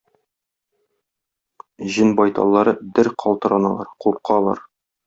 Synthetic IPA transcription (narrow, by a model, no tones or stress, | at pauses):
ʑɘnbɒjt̪ɑ̰lˠːɑɾɤd̪ɘɾqʰɒlˠt̪ɤ̆ɾɑnɑ̰lˠɑ̰ɾquɾˠqɑlˠɑ̰ɾ